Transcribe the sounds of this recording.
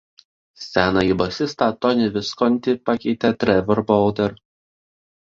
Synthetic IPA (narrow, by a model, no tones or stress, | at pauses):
sʲæːnɑibɐsʲɪst̪ɐt̪ɔnʲɪʋʲɪskɔnʲt̪ʲɪpɑkʲɛɪt̪ʲɛt̪ʲɾʲɛʋʲɔɾbɔlˠd̪ʲɛɾ